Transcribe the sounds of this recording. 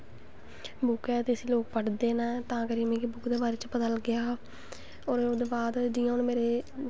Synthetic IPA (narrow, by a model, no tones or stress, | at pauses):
bʊkɛːt̪eːəsiːloːk̚pəʈd̪eːnãːt̪ãːkəɾiːmẽːkebʊkd̪eːbaːɾeːt͡ʃpət̪əlɡɪaː | oːɾoːd̪eːbaːd̪d͡ʒiːjãʊnːmeːɾeː